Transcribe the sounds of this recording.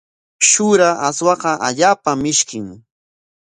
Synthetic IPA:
ʃʊɾaaswɑqɑʔaʎaːpamɪʃkɪŋ

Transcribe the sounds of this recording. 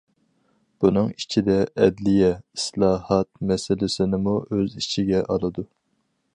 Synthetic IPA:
b̥unɨŋit͡ʃʰid̪ɛʔɛd̪lɪjɛislˠɑːhɑt̪̚mɛsɪlɪsɪnɪmuʔøzit͡ʃʰiɡʲɛʔɑlˠɨd̪u

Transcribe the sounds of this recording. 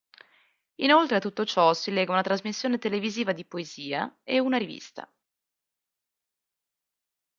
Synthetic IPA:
inolt̪ɾeat̪ːut̪ːot͡ʃɔsilɛːɡaunat̪ɾazmisːjoːnet̪eleviziːvad̪ipoeziːa̰eunaɾivḭst̪a̰

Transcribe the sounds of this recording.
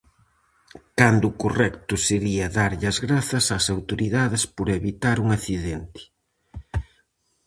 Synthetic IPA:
kand̪ʊkorɛkt̪ʊseɾiɐðaɾʎɐzɣɾaθɐsasawt̪oɾiðaðɪspoɾeβit̪aɾuŋaθiðɛnt̪ɪ̥

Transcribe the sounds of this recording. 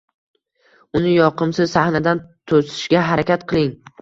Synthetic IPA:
ʊnɪjɒqɨmsɪzsahnad̪ant̪ʰosɪ̥ʃɡʲaɦaɾakʲat̪qʰɨlˠɪŋ

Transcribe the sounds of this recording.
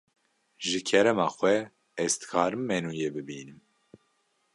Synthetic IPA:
ʒɨkʰɛɾɛmɑːxʷwɛ | ɛz̥t̪ɨ̥kʰɑːɾɨmːɛnuːjeːbɨbiːnɨm

